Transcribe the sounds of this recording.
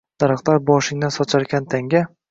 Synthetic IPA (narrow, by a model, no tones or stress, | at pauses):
d̪̥aɾɨqt̪aɾbɒʃɪŋnɪsɒt͡ʃʰaɾɡʲant̪ʰaŋɡʲa